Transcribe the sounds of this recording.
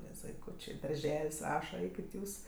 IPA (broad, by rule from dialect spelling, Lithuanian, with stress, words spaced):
nʲɛs ʋɐɪˈkuːt͡ʃʲeː dɐrʲˈʒʲɛlʲsʲ ˈrɑːʃɐ ˈɛɪkʲɪt ˈjuːs